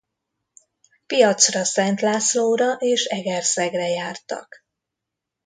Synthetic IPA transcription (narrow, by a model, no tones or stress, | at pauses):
pijɒt̪srɒsɛnt̪laːsloːɾɒʔeːʃɛɡɛrsɛɡrɛjaːrt̪ɒ̰k